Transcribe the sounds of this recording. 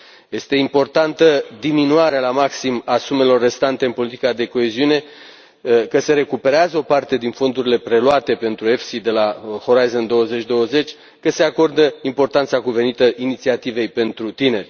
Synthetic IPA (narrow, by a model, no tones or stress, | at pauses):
je̞st̪e̞impo̞rt̪ant̪əd̪iminuaɾealamaksimasume̞lo̞rːe̞st̪ant̪e̞ɨnpo̞lit̪ikad̪e̞ko̞e̞ziune̞ | kəse̞ɾe̞kupe̞ɾeazəo̞part̪e̞d̪info̞nd̪uɾile̞pɾe̞luat̪e̞pe̞nt̪ɾue̞fsid̪e̞laxo̞ɾajzənd̪o̞wəze̞t͡ʃʲd̪o̞wəze̞t͡ʃʲ | kəse̞ako̞rd̪əimpo̞rt̪ant̪sakuve̞nit̪əʔinit̪siat̪ive̞jpe̞nt̪ɾut̪ine̞rʲ